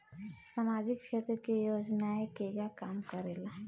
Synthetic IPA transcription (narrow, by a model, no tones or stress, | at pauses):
samaːd͡ʒɪkʃeːt̪ɾəkejoːd͡ʒnaekeɡakaːmkəɾeːla